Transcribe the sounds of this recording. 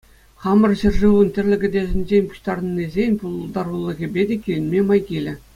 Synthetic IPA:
χɑmɤ̆rɕɘ̆rʐɯʋunt̪ʲɘ̆rʲlʲɘ̆ɡʲɘ̆dʲeʑɘ̆nʲd͡ʑenʲpu̥ɕt̪ɑrɤ̆nʲːizʲenʲpulˠd̪ɑrulˠːɤ̆ɣʲibʲedʲekʲilʲɘ̆nʲmʲemɑjkʲilʲɘ̆

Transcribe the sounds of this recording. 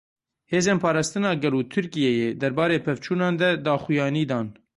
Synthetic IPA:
heːzeːnpʰɑːɾɑːst̪ɨnɑːɡɛluːt̪ʰɨɾkijɛjeːd̪ɛɾbɑːɾeːpʰɛvt͡ʃʰuːnɑːnd̪ɛd̪ɑːxujɑːniːd̪ɑːn

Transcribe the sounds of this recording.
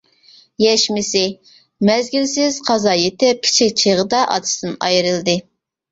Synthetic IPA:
jɛʃmɪsɪ | mɛzɡʲilsɪz̥qʰɑzɑjet̪ɪp̚kʲʰi̥t͡ʃʰik̚ʲt͡ʃʰeʁəd̪ɑʔɑ̰t̪ʰɨ̥sd̪ɨnɑ̰jɾɨlˠd̪ɨ

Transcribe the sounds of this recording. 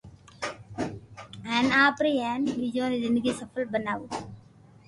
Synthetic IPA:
ɦɛːnaːpɾiːɦɛːnɓiːd͡ʒõːd̪eːzɪnd̪əɡiːsəfʰəlbənaːʋoː

